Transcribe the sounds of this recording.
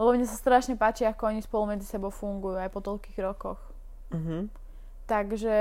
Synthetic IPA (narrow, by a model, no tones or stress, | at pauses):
lɛbɔmɲɛsast̪ɾaʃɲɛpaːt͡ʃiakɔɔɲispɔlumɛd͡zisɛbɔʊfuŋɡujuajpɔt̪ɔʎkiːɣɾɔkɔx̩ | ɦ | t̪aɡʒɛ